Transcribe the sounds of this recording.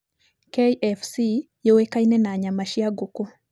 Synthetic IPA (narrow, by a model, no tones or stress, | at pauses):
keʔɛfsi | jowekainɛnaɲamaʃiaɡuku